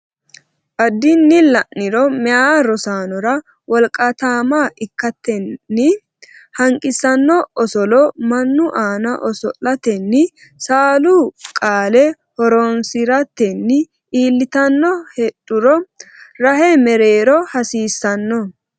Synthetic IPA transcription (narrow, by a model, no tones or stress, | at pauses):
ʔɐd̪ːɪnːɪlɐʔːɪɾɔmɛaːɾɔsaːnɔɾɐ | wɔlkʼat̪aːmaːʔɪkːɐt̪ːɛːɪ | hɐŋkʼɪsɐnːɔɔsɔlɔmɐnːʊʔaːnɐʔɔsɔlɐt̪ɛnːɪ | saːlukʼaːlɛ | hɔɾɔnsɪɾɐt̪ːɛnːɪ | ʔiːlːɪt̪ɐnːɔhɛᶑʊɾɔ | ɾɐɦɛmɛɾeːɾɔhɐsiːsːɐnːɔ